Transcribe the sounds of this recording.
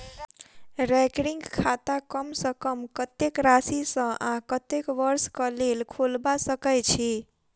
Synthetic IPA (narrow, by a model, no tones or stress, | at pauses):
ɾɛkɾiŋɡkʰat̪akəmsəkəmkət̪ekɾasisə̃ʔãkət̪ekʋəɾskəlelkʰolbasəkət͡ʃʰi